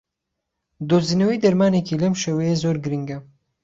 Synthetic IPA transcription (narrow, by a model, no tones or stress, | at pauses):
d̪oziːnɐwijd̪ɐɾmaːnekʰiːlɐmʃewɐjezoːɾɡɨɾiŋɡɐ